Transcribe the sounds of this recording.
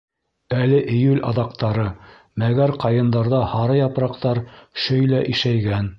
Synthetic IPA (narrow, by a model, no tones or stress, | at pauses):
ælɘʔɘ̆jʉlʲɑ̰ðɑqt̪ɑɾɤ | mæɡæɾqɑjɤ̆nd̪ɑɾðɑhɑɾɤjɑpɾɑqt̪ɑɾʃɵjlæʔiʃæjɡæn